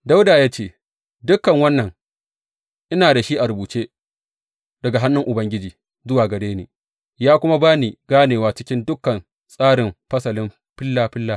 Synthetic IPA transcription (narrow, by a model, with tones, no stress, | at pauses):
da˦wdaː˨jaː˦t͡ʃeː˦ | dʊ˦kːɐ˨ŋwɐ˦nːɐ˨ŋ | ʔɪ˦naː˨da˨ʃi˦ʔa˨ɾʊ˨buː˨t͡ʃeː˦ | dɐ˨ɡa˨ɦa˦nːʊ˦ŋʔʊ˨bɐ˦ŋɡʲɪ˦d͡ʒiː˨ | zʊ˦waː˨ɡɐ˨ɽeː˦niː˨ | jaː˦kʷʊ˦ma˦baː˦ni˨ɡaː˦neː˨waː˨˦t͡ʃɪ˦kʲɪ˦ndʊ˦kːɐ˨n | sʼaː˦ɽɪ˨mɸɐ˦sɐ˨lɪ˦m | ɸɪ˦lːaː˦ɸɪ˦lːaː˦˨